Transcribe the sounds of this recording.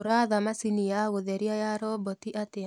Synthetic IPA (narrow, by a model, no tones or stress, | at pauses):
ɾaðamasinijaɣoðɛɾiajaɾɔbɔtiʔate